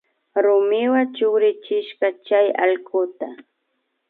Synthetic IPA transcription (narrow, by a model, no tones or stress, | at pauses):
ɾʊmɪwat͡ʃʊɾɪt͡ʃɪʃɢɑt͡ʃajɑ̰ʎkʊt̪a